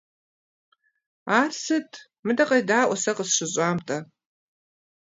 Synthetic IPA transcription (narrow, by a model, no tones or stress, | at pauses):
arsɨtʼʰ | mɨdɐqʼɐjdaːʔʷasɐqʼəsʂɨzʷʼaːmtʼa